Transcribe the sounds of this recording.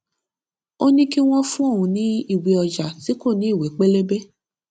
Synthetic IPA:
o˦nĩ˦ki˦w̃ɔ̃˦fũ˦o˦˨wũ˨˧nĩ˨˦i˦˨wi˨ɔ˧d͡ʒa˨ti˨˦ko˦˨nĩ˨˦i˦˨we˨˦k͡pe˦le˦be˦

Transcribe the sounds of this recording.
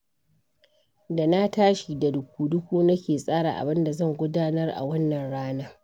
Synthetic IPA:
da˨na˦taː˦ʃi˨da˨dʊ˨kʷuː˨dʊ˦kʷuː˦nɐ˦kʲeː˨sʼaː˦ɽa˨ʔa̰˨bɪ˦nda˨zɐ˦˨ŋɡʷʊ˦daː˦nɐ˦rʔa̰˨wɐ˦nːɐ˨nɽaː˦naː˦

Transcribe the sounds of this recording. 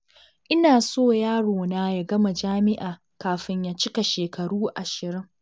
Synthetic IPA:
ʔɪ˦naː˨soː˦˨jaː˦ɽoː˨naː˦ja˨ɡɐ˦ma˨d͡ʒaː˦mɪ˦ʔaː˨ | kaː˨ɸɪ˦ɲjaː˦t͡ʃɪ˦ka˨ʃeː˨kʰɐ˨ɽuː˦ʔa˨ʃɪ˨ɾɪ˦ŋ

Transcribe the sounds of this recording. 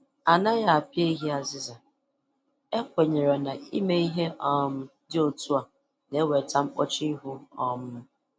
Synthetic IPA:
a˨na˦ja˦a˨pje˦i˦ɦi˦a˨zɪ˦za˨ | e˦kʷe˨ɲe˨ɾe˨na˨i˦me˦i˦ɦe˦ʔɔ˦m̩˦ | dɪ˦o˨tu˦a˨ | ne˨˦we˨ta˦m̩˦o˦t͡ʃi˦i˦ɦu˦ɔ˦mʊ˦

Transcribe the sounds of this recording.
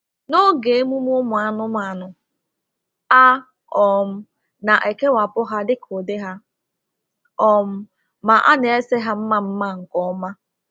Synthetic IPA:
no˦ɡe˨e˦mu˦m˦ʊ˦mʊ˨a˨nʊ˦m˨a˨nʊ˨ | a˦ | ɔ˨m̩˦ | na˨ʔe˨ke˦wa˨pʊ˦ɦa˦dɪ˦kʰo˨dɪ˦ɦa˦ | ɔ˨m̩˦ | ma˨ʔa̰˦ne˨e˦se˦ɦa˦m̩˦ma˦m̩˦ma˦ŋ̩˨kɔ˦ma˦

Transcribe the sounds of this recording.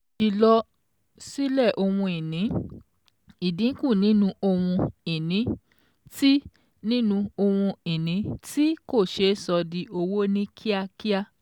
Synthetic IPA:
i˨lɔ˧ | si˦lɛ˦˨ʔo˧wũ˧i˨nĩ˨˦ | i˨dĩ˨˦kũ˦˨nĩ˨˦nũ˦ʔo˧w̃ũ˧i˨nĩ˨˦ | ti˦ | nĩ˦nũ˧o˧w̃ũ˧i˨nĩ˨˦ti˦ko˦˨ʃe˧˦sɔ˧di˧o˧wo˦nĩ˦kʰi˦a˧ki˦a˧

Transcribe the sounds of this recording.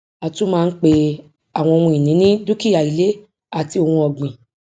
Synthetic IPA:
a˨tũ˦mãː˦˧n̩˦k͡pe˧ | a˨w̃ɔ̃˧o˧ũ˧i˨nĩ˨˦nĩ˦du˦ki˦ja˨i˨le˨˦ | a˦˨ti˧o˧hũ˧ɔ˨ɡ͡bĩ˨

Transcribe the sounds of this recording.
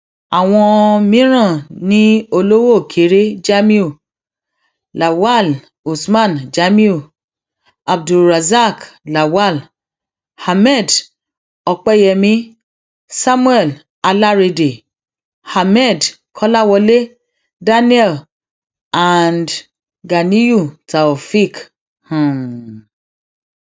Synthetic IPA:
a˨w̃ɔ̃˧mĩ˦ɾ̃ã˦˨nĩ˦o˧lo˦wo˦˨kʰe˨˦ɾe˦d͡ʒa˦mĩ˦u˦˨ | la˨wa˦˨l | u˨smã˦˨nd͡ʒa˨˦mĩ˦u˦˨ | a˨b̚du˨lɾa˨za˦kla˨wa˦˨l | ha˨mɛ˦˨d | ɔ˨k͡pɛ˦jɛ˨mĩ˦ | sa˦mu˦ɛ˨l | a˧la˦ɾe˧de˨ | ha˨mɛ˦˨d | kʰɔ˦la˦wɔ˧le˦ | da˦ni˦ɛ˦˨l | a˨nd | ɡa˨ni˦ju˦˨ta˨ɔ˨fi˦k | hã˨

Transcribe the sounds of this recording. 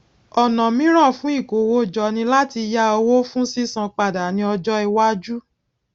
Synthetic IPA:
ɔ˨nã˨mĩ˨˦ɾ̃ɔ̃˦˨fũ˨˦i˦˨ko˨wo˦˨d͡ʒɔ˧nĩ˧la˦ti˧ja˧o˧wo˦fũ˦si˦sã˧k͡pa˨da˨nĩ˧ɔ˧d͡ʒɔ˦i˧wa˦d͡ʒu˦

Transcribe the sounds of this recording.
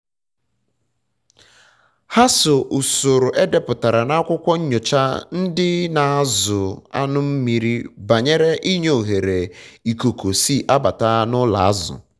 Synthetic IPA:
ha˦so˨ʔʊ˨so˨ɾʊ˨ʔe˦de˦pʊ˨ta˨ɾa˨na˦a˦kʷʊ˦kʷɔ˦ɲ̩˦ɲo˨t͡ʃa˦n̩˦dɪ˦na˨a˦zʊ˨a̰˦nʊ˦m̩˦mi˨ɾi˦ba˨ɲe˦ɾe˦ʔi˦ɲo˨ɦe˨ɾe˨i˨ko˨ko˨si˦˨ʔa˦ba˨ta˦nʊ˦la̰˨a˦zʊ̰˨

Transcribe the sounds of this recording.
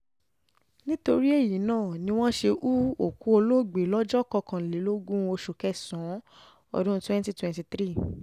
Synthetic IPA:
nĩ˦to˧ɾi˦e˦˨ji˨˦nãː˦˨nĩ˧w̃ɔ̃˦ʃe˧ʔu˦o˦˨ku˦o˧lo˦˨ɡ͡be˨˦lɔ˦d͡ʒɔ˦kɔ˧kã˨le˨˦lo˦ɡũ˦o˧ʃo˨kɛ˦˨sɔ̃˨˦ | ɔ̰˧ɾũ˦twɛ̃˦n˦ti˦twɛ̃˨nti˧tɾi˦˨

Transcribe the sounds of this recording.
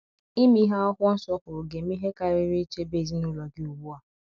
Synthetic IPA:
i˦mi˦ɦa˦ɔ˦kʷɔ˦n̩˦sɔ˦kʊ˨ɾʊ˨ɡe˨m˦i˦ɦe˦ka˦˨ɾɪ˦ɾi˦t͡ʃe˦be˨zi˦nʊ˦˨lɔ˨ɡɪ˦u˨bu˦a˨

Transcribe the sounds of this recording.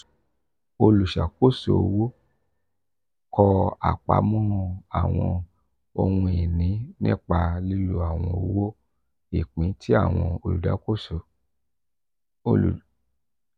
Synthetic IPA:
o˧lu˨ʃa˨ko˦˨so̰˨o˨˧wo˦ | kʰɔ˧a̰˨k͡pa̰˨˧˦mɔ̃˦hɔ̃˧a̰˨w̃ɔ̃˧ | o˧hũ˧i˨nĩ˨˦nḭ̃˦˨k͡pa˧li˦lu˦a˨w̃ɔ̃˧o˧˦wo˦ | i˨k͡pĩ˨˦tʰi˦a̰˦˨w̃ɔ̃˧o˧lṵ˨da̰˨˦ko˦˨so˨˧˨

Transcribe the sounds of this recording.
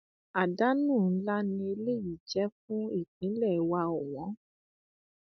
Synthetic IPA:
a˨da˦nũː˦˨n̩˦la˦nĩ˧e˧le˦˨ji˦˨d͡ʒɛ˦fũ˦i˦˨k̚ĩ˨˦lɛ˦˨˦wa˧o˨w̃ɔ̃˨˦

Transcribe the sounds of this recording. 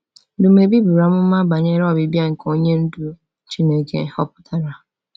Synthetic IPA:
dʊ˨m̩˦e˨bi˦bu˨ɾa˨mʊ˦m̩˦ma˦ba˨ɲ˦e˦ɾɔ˦˨bi˨bja˦ŋ̩˨ko˦ɲe˦n̩˦du˨˦ | t͡ʃi˦ne˨ke˨hɔ˦pʊ̥˦tʰa˨ɾa˨

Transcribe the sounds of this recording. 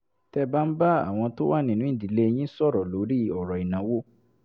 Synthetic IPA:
tɛ˧ba˦n̩˦ba˦a̰˨w̃ɔ̃˧to˦wa˦˨nĩ˨nũ˨˦ĩ˦˨di˨le˦˧j̃ĩ˦sɔ˦˨ɾɔ˨lo˨˦ɾi˦ɔ˨ɾɔ˨i˨nã˨˦wo˦

